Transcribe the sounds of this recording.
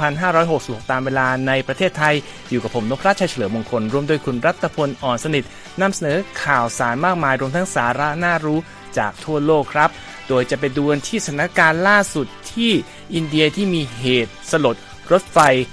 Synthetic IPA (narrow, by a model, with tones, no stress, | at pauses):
pʰa˧nɦaː˥˩ɾɔː˦˥jɦo˨˩k̚si˨˩p̚ho˨˩k̚t̪aː˧mweː˧laː˧na˧jpɾa˧t̪ʰeː˥˩t̪ʰːa˧j | juː˨˩ka˨˩pʰːo˩˦mno˦˥p̚ʰɾa˦˥t͡ɕʰa˧˥jt͡ɕʰa˧lɤː˩˦mo˧ŋkʰo˧nɾu˧mdoː˧jkʰu˧nɾa˦˥t̪ʰːa˧pʰo˧nʔɔː˨˩nsa˧ni˨˩t̪̚ | na˧msa˧nɤː˩˦kʰaː˨˩wsaː˩˦nmaː˥˩k̚maː˧jɾu˧əmt̪ʰa˦˥ŋsaː˩˦ɾa˦˥naː˥˩ɾuː˦˥ | t͡ɕaː˨˩k̚t̪ʰu˥˩ɐloː˥˩kʰːɾa˦˥p̚ | doː˧jt͡ɕa˨˩pe˧nduː˧ə˧nt̪ʰiː˥˩sat̪ʰa˧˩nːa˦˥˩kaː˧nlaː˥˩su˨˩t̪ʰːiː˥˩ | ʔi˧ndi˧ɐt̪ʰiː˥˩miː˧ɦeː˨˩t̪̚sa˧lo˨˩t̪̚ | ɾo˦˥t̪̚fa˧j